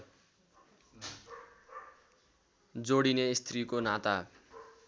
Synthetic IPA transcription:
d͡zoɽinest̪rikonat̪a

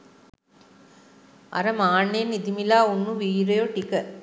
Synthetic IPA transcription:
ɐ̰ɾɐmaːɳːejnːid̪imilaːunːuʋiːɾɐjoʈikə

